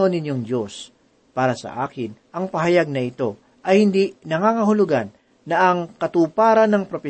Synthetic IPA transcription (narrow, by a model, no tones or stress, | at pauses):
o̞nɪɲjoŋd͡ʒo̞s | paːɾɐsɐ̰ʔa̰ːkɪnʔɐŋpɐɦɐjaɡ̚nɐʔɪt̪o̞ | ʔɐjhɪnd̪inɐŋaːkɐɦʊlʊɡanː | ɐʔɐŋkɐt̪uːpaːɾɐnɐŋpɾopɛ